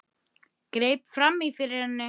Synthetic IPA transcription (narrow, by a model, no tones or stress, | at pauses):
kɾejpfɾamifɪɾɪɾhanːɪ